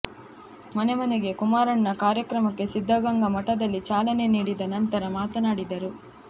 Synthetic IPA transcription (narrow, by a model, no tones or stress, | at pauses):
mɐne̞mɐneɡe̞kumaːɾɐɳːɐkaːɾjɐkɾɐmɐkːe̞sid̪ʱːɐɡɐŋɡɐmɐʈːɐd̪ɐlːit͡ʃaːlɐne̞niːɽid̪ɐnɐnt̪ɐɾɐmaːt̪ɐnaːɽid̪ɐɾu